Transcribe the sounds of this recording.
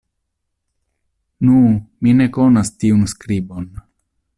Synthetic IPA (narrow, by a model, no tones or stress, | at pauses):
numine̞konastiunskɾibo̞n